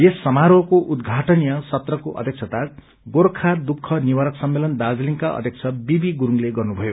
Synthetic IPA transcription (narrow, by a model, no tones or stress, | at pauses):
jesːʌmaɾokoʔud̪ɡʱaʈʌnijʌsʌt̪rʌkoʔʌ̰d̪ʱjʌkt͡sʰʌt̪a | ɡoɾkʰad̪ukʰːʌniwaɾʌksʌmːelʌnd̪ad͡zliŋkaʌ̰d̪ʱjek̚t͡sʰʌbibiɡuɾuŋleɡʌrnubʱʌjo